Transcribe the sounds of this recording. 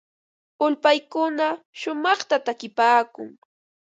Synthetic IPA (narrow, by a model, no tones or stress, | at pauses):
ʊlpajkʊnaʃʊmɑχt̪at̪akɪpaːkʊ̰ŋ